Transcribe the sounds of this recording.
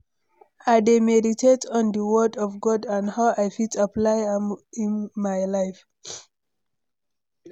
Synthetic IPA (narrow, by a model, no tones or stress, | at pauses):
ademɛditʰetɔ̃ndəwədɔvɡɔdãnhawʔajfitaplajmĩnmajlaɪf